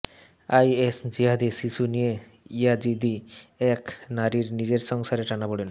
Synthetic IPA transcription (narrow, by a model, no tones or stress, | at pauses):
ajesd͡ʑiɦad̪iʃiʃunije | iad͡ʑid̪iɛknaɾiɾnid͡ʑeɾʃɔŋsaɾeʈanaboɽen